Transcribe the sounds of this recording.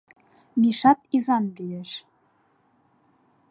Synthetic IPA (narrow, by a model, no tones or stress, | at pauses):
niʃɑt̪izɑndijeʃ